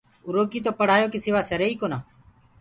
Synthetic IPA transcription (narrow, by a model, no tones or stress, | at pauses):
ʊɾoːkiːt̪̬oːpəɽ̤aːjoːkiːsɪʋaːseɾeːiːkoːnaː